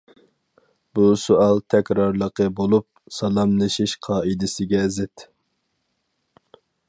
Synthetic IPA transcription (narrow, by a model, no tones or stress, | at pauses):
busʊɑlˠt̪ʰɛkʲɾɑɾlˠəqəbolˠup̚sɑlˠɑmlˠɨʃiʃqʰɑːid̪ɪsɪɡʲɛzɪt̪